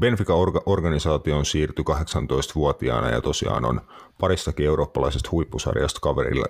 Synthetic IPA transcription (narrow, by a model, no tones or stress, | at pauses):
be̞nfikɑʔo̞rɡɑnisɑːt̪ionsiːrt̪ykɑɦe̞ksɑnt̪o̞jst̪ʋuot̪iɑ̰ːnɑ̰jɑ̰t̪o̞siɑ̰ːno̞̰n | pɑɾist̪ɑkiewɾo̞ːpːɑlɑjsest̪hujpːusɑ̰rjɑ̰st̪kɑʋḛɾḭlːɑ̰